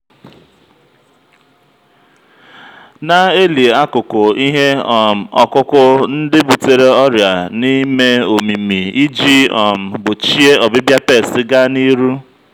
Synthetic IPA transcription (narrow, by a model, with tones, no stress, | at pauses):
na˨e˦li˨a˦kʊ˨kʊ˨i˦ɦe˦ɔ˨m̩˨ɔ˨kʊ˦kʊ˦n̩˦dɪ˦bu˨te˨ɾe˨ɔ˦ɾja˨ni˦me˦o˨mi˨mi˨i˦d͡ʒi˦ɔ˨m̩˨ɡ͡bʊ˨t͡ʃi˦e˦ʔɔ˨bɪ˦bja˦pe˦˨sɪ˦ɡa˦ni˦ɾu˦